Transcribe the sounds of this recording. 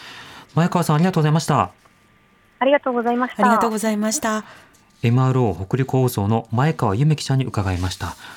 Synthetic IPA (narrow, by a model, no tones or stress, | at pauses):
maekaβasãaɾʲiɡat̪oːozaimaɕi̥t̪a | aɾʲiɡat̪oːɡozaimaɕi̥aɾiɡat̪o̞ːɡo̞zaimaɕi̥t̪a | e̞mɯ̟aɾɯ̟oːho̞kɯ̟ɾʲikoːso̞ːno̞maekaβajɯ̟me̞kʲi̥ɕaɲ̟ːiʔɯ̟kaɡaimaɕi̥t̪a